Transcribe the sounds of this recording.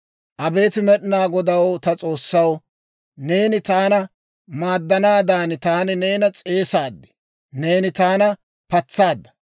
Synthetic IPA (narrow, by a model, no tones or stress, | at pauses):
ʔɐbe̞ːt̪ɪmɛɗnaːɡɔd̪ɐwt̪ɐt͡sʼo̞ːsːɐw | ne̞ːnɪt̪aːnɐ | maːd̪ːɐnaːd̪aːnt̪aːnɪneːnɐt͡sʼe̞ːsaːd̪ːɪ̥ | ne̞ːnɪt̪aːnɐ | pɐt͡sːaːd̪ːɐ̥